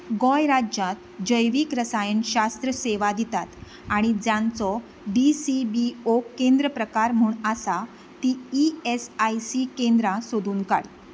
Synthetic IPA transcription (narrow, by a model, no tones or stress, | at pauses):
ɡɔjɾad͡ʑãt̪̚d͡ʑəjʋiːkɾəsajənɕast̪ɾəseʋad̪it̪at̪ | aɽ̃id͡zjãnt͡sɔ | bisibiokːẽnd̪ɾəpɾəkaɾm̤uːɳəsa | t̪iiesajsikẽnd̪ɾasod̪uːnka̰ɽ